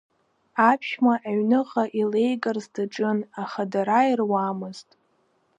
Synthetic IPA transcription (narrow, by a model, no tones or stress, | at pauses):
apʰʃmaʔaɥnɨʁaʔilejɡʼarzdaʈ͡ʂʼɨnaχadaɾairwamɨztʼ